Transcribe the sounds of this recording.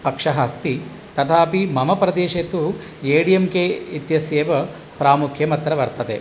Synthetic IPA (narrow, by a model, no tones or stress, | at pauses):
pɐkʂɐɦaːst̪i | t̪ɐt̪ʰaːpimɐmɐpɾɐd̪eːʃet̪ueːɽijemkeit̪jɐseːʋɐ | pɾaːmukʰjɐmɐt̪ɾɐʋɐɾt̪ɐd̪ḛ